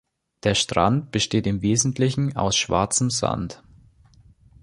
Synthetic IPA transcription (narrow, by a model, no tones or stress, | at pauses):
d̥eːɐʃtʁ̥a̰nt̚b̥əʃteːtɪmveːzn̩tʰlɪçn̩a̰ʊsʃv̥a̰ɐt͡səmza̰nt